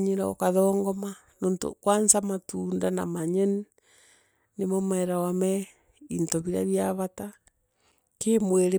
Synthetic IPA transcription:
ɲiɾao̰kaðɔːŋɡɔma | noːnto̰kwansamatundana̰maɲɛn | nemɔmɛɾawamɛ | intɔβiɾa̰βjaβata | kemweɾe

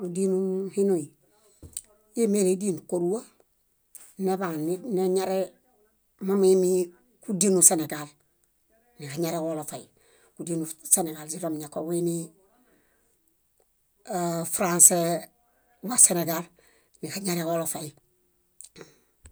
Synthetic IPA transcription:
udinuhinoi | jemeɾediːnkoɾuwa | nebanneɲaɾe | mamimi | kudinuseneɡal | nikaɲaɾewolofai | kudinuseneɡalsiɾomɲakoweni | fɾanse | waseneɡal | nikaɲaɾewolofaji

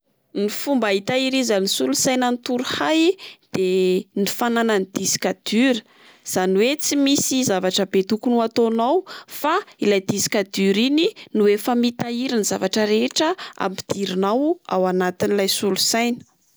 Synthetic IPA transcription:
nifumbait̪aiɾizanisulusajnənit̪uɾuhajd̪̥enifanananid̪̥isi̥kad̪̥yɾə | z̥aniwet͡simisizavaʈ͡ʂəbet̪ukunuat̪onawfailajd̪isi̥kad̪yɾininuwefamit̪aiɾinizavaʈ͡ʂəɾeʈ͡ʂəa̰mpi̥d̪̥iɾinawa̰wanat̪inilajsulusajnə̥

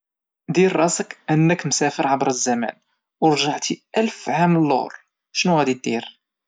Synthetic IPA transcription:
d̪iɾˤːɑsəkʔənːəkmsæfəɾʕabɾəzːæmæ̰n | wɾˤʒəʕt̪iʔælfʕaməlːoʊ̰ɾ | ʃnuhæd̪it̪ːiɾ

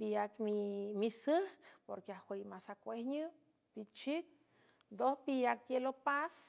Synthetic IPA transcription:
bijakmimisəhkpo̰ɾkeahwejmasakʷehɲɨ | bit͡ʃik̚ | d̪ohpijak̚t̪jelopas

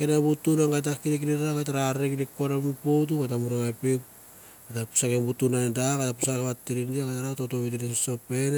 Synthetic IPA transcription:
kenabutunaŋɡajt̬akinik̬iniaɡajtaɾaɾekidikonamipowt̬uɡatamuɾoapik | atapu̥sakembutunandaɡatapusakeβatːiɾindiaɡajtaɾatotoβitinesiso̞pen

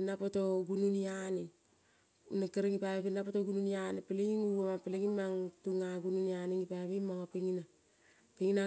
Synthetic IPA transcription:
napotoɡununiani | nakaɾeŋipapinapotoɡununianepileɡiŋuamapeleɡimːaŋtuŋaɡununianiŋipaβimaŋopiŋina | peŋina

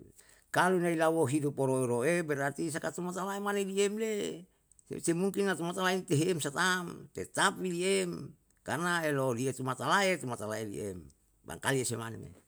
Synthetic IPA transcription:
kalunailawoɦidupoɾoeɾoebɛɾart̪is̬akat̪umat̪alaemaneliemlḛ | semuŋkinːat̪umat̪alait̪eɦeːmsat̪amt̪et̪apiliem | karnaelodiet̪umat̪alaet̪umat̪alaelḭḛm | ba̰ŋkaliesemanḛmḛ

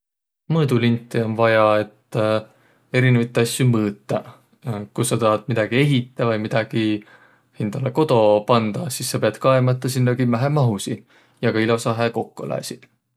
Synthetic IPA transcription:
mɤːd̪ulint̪ːˑio̞nvɑjɑe̞t̪ː | e̞ɾinevɑt̪ˑːɑsjumɤːt̪ˑːɑ | kusːɑt̪ɑɦɑd̪̥̚mid̪̥ɑɡ̥ie̞ɦit̪ːˑɑvɑjmid̪̥ɑɡ̥i | hind̪̥ɑleko̞d̪̥o̞pɑnd̪̥ɑsisːɑpeɑd̪̥kɑemɑt̪ːˑɑsinːɑɡimæɦemɑɦusi | jɑɡ̥ɑilo̞sɑɦeko̞kːolæ̰ːsi̥

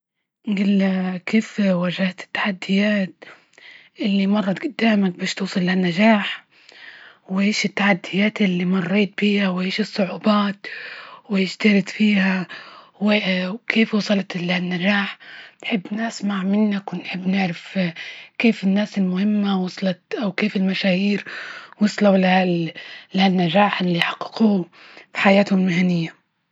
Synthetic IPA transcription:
nɡiːlkeːfwaʒahat̪ɪ̥t̪ːḁħad̪ːɪjaːt̪ | ʔɪlːimɑrˤːɑt̪ɡʊd̪ːaːmak̚baːʃt̪uːsˤɑlːanːaʒaːħ | wɪʕiːʃɪt̪ːaħad̪ːɪjaːt̪ɪlːimɑrˤːeːt̪̚biːhawʕiːʃɨsˤːʊʕuːbaːt̪wɪʃt̪ɑɾˤɪt̪fiːha | wɪkʰeːfwɑsˤɑlɑt̪lanːad͡ʒaːħnħɪbːnasmaʕmɪnːakwɪnħɪbːnɪʕɾafkeːfɪnːaːsɪlmʊhɪmːawɑsˤlɑt̪ʔawkeːfɪlmaʃaːhiːɾwɑsˤlalɪalɪhanːad͡ʒaːħʔɪlːiːħaqːɪ̥quː | fi̥ħajaːt̪hʊmɪlmɪɦanɪjːa

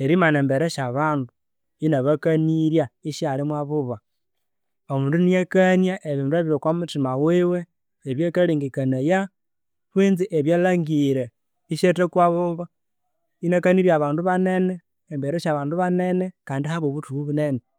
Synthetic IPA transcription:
eɾimaneːmbe̞ɾeʃaβaːndu | inaβakaniɾjaiʃjalimwaβuβa | omuːndunijekanjaʔeβiːndueβiɾokwamutimawiweː | βjekaliŋɡikanaja | βwiːnziʔeβjelaŋɡiɾe | iʃetekwaβuβa | inakaniɾjaβaːnduβaneneː | mbeɾeʃaβaːnduβane̞nekaːndihaβoβutuuβunene

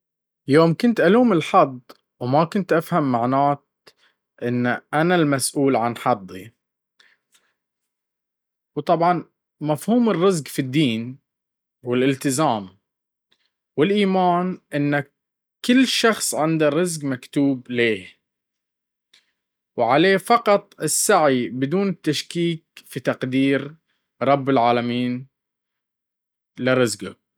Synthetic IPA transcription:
joːmkʊnt̪ʔaluːmɪlħɑd̪ˤ | wmakʊnt̪ʔafhamːaʕnaːt̪̚ | ʔɪnːʔanalmasʔuːlʕanħɑd̪ˤːḭ | wt̪ˤɑbʕɑn | mafhuːmɪrːɪzqfid̪ːiːn | wɪlʔɪlt̪ɪzaːm | wɪlʔiːmaːnʔɪnːa | kɪlːʃɑxsˤʕɪnd̪arˤɪzɡmakt̪uːbleː | wʕaleːfɑqɑt̪ˤɪsːaʕibɪd̪uːnɪt̪ːaʃkiːk̚fit̪ɑqd̪iːɾ | ɾˤɑbːɪlʕaːlamiːn | lɪɾˤɪzɡa

